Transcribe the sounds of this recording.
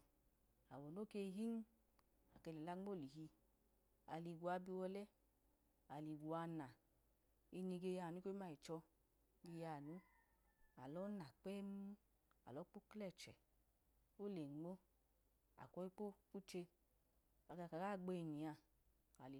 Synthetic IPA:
a̰˨wɔ˨n˦o˦ke˧˦ɦi˦ŋ˦ | a̰˨ke˧le˨la˧ŋ͡mo˦˨li˨ɦi˧ | a̰˨li˨ɡʷu˨a˧bi˧wɔ˧lɛ˦ | a˨li˨ɡu˨a˧na˨ | i˧ni˧ɡe˧ja˧˨nu˦o˦i˦ma˦i˨t͡ʃɔ˧ | ɡe˧ja˧˨nu˨˦ | a̰˨lɔ˨˦na˨k͡pɛ˦m˦ | a̰˨lɔ˨˦k͡po˦klɛ˦˨t͡ʃɛ̰˨ | o˦le˨ŋ͡mo˦ | a̰˨kɔ˧˦i˦k͡po˦ku˦t͡ʃe˧ | a˨ɡa˧˨ka˨ɡa˦˨ɡ͡be˧i˧ni˨a˧ | a˨li˨

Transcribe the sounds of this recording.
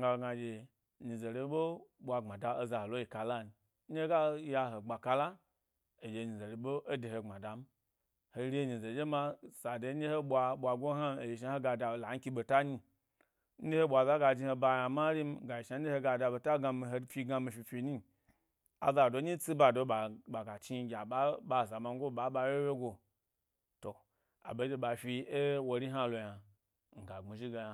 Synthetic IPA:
ŋɡa˧˨ɡa˧d͡ʒe˨ | ɲi˨ze˨ɾe˧˦ɓo˦ɓʷa˧˨ŋ͡ma˨da˨o˧za˨ho˨lo˦ji˨ka˨la˦n̩˨˦ | e˦ɡa˦ja˧ɦo˨ɡ͡ba˨ka˧la˦ | e˨d͡ʒe˨ɲi˨ze˨ɾi˨ɓo˦ʔo˦de˨ho˨ŋ͡ma˨da˨m̩˦ | ho˨˦ɾʲe˦˨ɲi˨ze˨d͡ʒe˦ma˧sa˨do˨˦d͡ʒe˦ho˦ɓʷa˧ɓʷa˨ɡʷo˦ɦa˦m˦e˨ji˨ʃ̬a˨˦ho˦ɡa˨da˨la˨˦ŋ̩˦ki˧ɓo˨ta˦ɲi˧ | n̩˦d͡ʒe˦he˦ɓʷa˨za˦ɡa˧d͡ʒi˧ho˧ba˧ja˨ma˦ɾi˦m˦˨ɡa˨ji˨ʃa˦e˦ho˧ɡa˨da˧bo˨ta˦ɡa˧mi˧ɦo˧˦fʲi˧ɡa˧mi˧fi˧fʲi˧ɲi˦ | a̰˨za˧˨do˨˦ɲi˦t͡si˦ba˧˨do˨˦ɓa˨ɓa˨ɡa˨t͡ʃi˦ɡʲa˨ɓa˦ɓa˦˨za˨ma˨ŋ˦o˦˨ɓa˨˦ɓa˧˦we˦we˦ɡo˧ | to˨ | a̰˨be˨˦de˧ɓa˨fi˧e˦wo˧ɾi˦ɦa˦lo˨ja˨ | ŋ̩˨ɡa˨ŋ͡mi˨ʒi˦ɡa˨ja˨

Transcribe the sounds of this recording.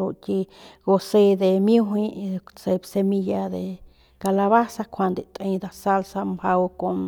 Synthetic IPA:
o˧ki˧ɡo˧se˧d̪e˧mju˦ɦĩ˧se˧bse˧mi˧ja˧d̪e˨ | ka˧la˧βa˦sa˧kʷʰa˧nd̪e˨t̪ʼe˧jd̪a˧sa˦˧lsa˧mba˧wko˧m

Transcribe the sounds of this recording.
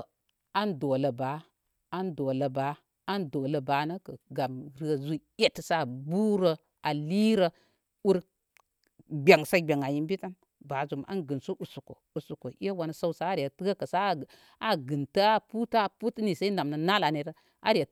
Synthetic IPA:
a˦ndo˨lə˨ba˨˦ | a˦ndo˨lə˨ba˨˦ | a˦ndo˨lə˨ba˨˦nə˦kɐ˨ɡa˨mɾɨ˦ə˨zu˦e˦tsa˦˨bu˦ɾə˨ | a˨li˦ɾə˨ | u˦ɾ | ɡ͡bʲe˨ŋsa˦ɡ͡bʲe˨ŋa˨ji˦mbi˦ta˦n | ba˨zu˨mʔa̰˦nɡɨ˨nsu˦ʔu˨su˨ko̰˨u˨su˨ko˨ʔi˦a˦wa˨n˨sa˦wsa˦a˦ɾi˨a˨tɨ˦ɡa˦kə˨sa˦˨ | a˨ɡɨ˨nta˦a˦pu˦ta˦˨pu˦tni˨sa˦i˦na˨mna˨na˦la˨ne˨ɾə˦ | a˦ɾi˨ja˨

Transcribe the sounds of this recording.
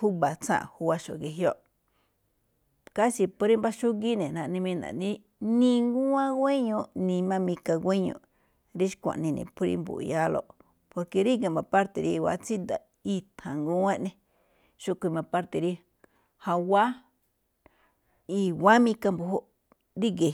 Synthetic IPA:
hu˦βa˨t͡sã̰˦ʔhu˧wa˧ʃo̰˨ɡe˧ɦjo˦˨ʔ | ka˦ʃi˧po˧ɾi˦mba˦ʃu˦ŋɡi˦nẽ˨nã˧ʔnĩ˧mĩ˧nã̰˨nĩ˦ | nĩ˧ŋɡũ˦ã˦ɡʷe˦ɲõ˧nĩ˧mã˦mĩ˧ka˧ɡʷe˦ɲõ̰˧˨ | ɾi˦ʃkʷã̰˨ʔnĩ˧nḭ̃˨pu˦˧ɾḭ˧mbṵ˨˧ja˦lo̰˧ʔ | po˧ɾke˧ɾi˦ɡe˧˨mã˧pa˦ɾt̪e˨ɾḭ˧wa̰˧˦t͡si˦nd̪a˨ | i˧t̪ʰã˨ŋɡũ˦ã˦ʔnẽ˧ | ʃu˦˧kʷi˧mã˧pa˦ɾt̪e˨ɾi˧ | ha˧wa˦ | i˧wa˦mĩ˧ka˧mbu˧ɦo˦ʔ | ɾi˦ɡe˨

